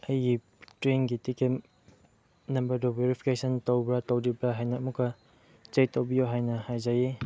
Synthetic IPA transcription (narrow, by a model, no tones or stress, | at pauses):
ɐjɡi | tɾenɡitikem | nɐmbɐɾdobeɾipʰi̥kesʰɐntowbɾatowɾibɐɦajnamukːɐ | t͡ʃejtowbijoɦajnɐhajzaji